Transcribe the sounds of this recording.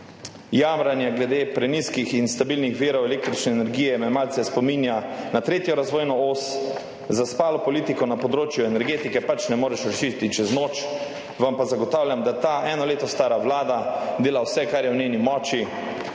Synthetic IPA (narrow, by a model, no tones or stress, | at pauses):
jamɾanjaɡlɛd̪eːpɾɛniskixinst̪abilnixʋiːɾɔwɛleːk̚t̪ɾit͡ʃnɛːnɛɾɡijɛmɛmalt̪sɛspɔmiːnjanat̪ɾeːt̪jɔɾazʋoːjnɔoːs | zaspaːlɔpɔliːt̪ikɔnapɔd̪ɾoːt͡ʃjuɛnɛɾɡeːt̪ikɛpat͡ʃnɛmoːɾɛʃɾaʃiːtt̪it͡ʃɛznoːt͡ʃ | ʋampazaɡɔt̪aːwljamd̪at̪aːʔɛːnɔleːt̪ɔst̪aːɾaʋlaːd̪ad̪eːlawsɛkaɾjɛwneːnimɔːt͡ʃi